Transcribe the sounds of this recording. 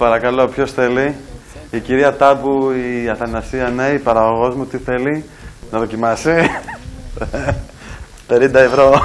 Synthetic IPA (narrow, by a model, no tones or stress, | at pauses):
pɐɾɐkɐlo̞pço̞sθe̞liː | ciɾiɐt̪ɐpuiɐθɐnɐsiɐne̞ipɐɾɐɣo̞ɣo̞zmut̪iθe̞li | nɐðo̞cimɐsi | t̪enind̪ɐevɾo̞